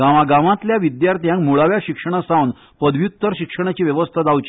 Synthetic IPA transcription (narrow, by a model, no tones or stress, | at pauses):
ɡaʋaɡaʋãt̪ljaʋid̪jaɾt̪ʰijãŋkmuɭaʋjaɕikʂəɽ̃asawn | pəd̪ʋjut̪ːəɾɕikʂəɽ̃at͡ɕiːʋjɛʋəst̪ʰad͡z̪awt͡ɕi